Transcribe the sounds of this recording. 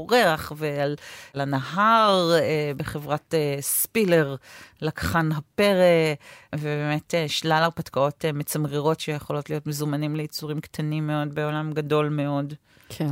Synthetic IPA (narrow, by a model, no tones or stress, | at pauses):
oʁeaχveallanaɦaʁbe̞χevʁatespile̞ʁlakḁχanɦapeʁevebeme̞teʃlalapatkao̞tmet͡samʁiʁo̞tʃejeχo̞lo̞tlijo̞tmezumanimlejit͡suʁimktʰanimːeo̞dbe̞o̞lamɡado̞lme̞o̞d | kʰe